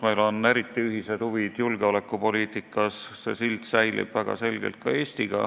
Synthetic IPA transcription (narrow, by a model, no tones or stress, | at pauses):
mejlo̞ne̞ɾit̪ːˑiyɦise̞d̪̥huvid̪̥julɡ̥eole̞kːˑupo̞liːt̪ˑikːˑɑssḛsilt̪sæjlḭb̥væɡ̥ɑ̰se̞lʲɡ̥ḛlt̪̚kɑe̞ːst̪iɡ̥ɑ̰